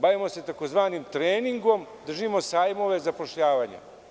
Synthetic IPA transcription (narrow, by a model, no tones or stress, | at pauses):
baːʋimo̞se̞t̪akozʋaːnimt̪ɾeːniŋɡo̞md̪r̩ʒimo̞saːjmo̞ʋe̞zapo̞ʃʎaːʋaɲa̰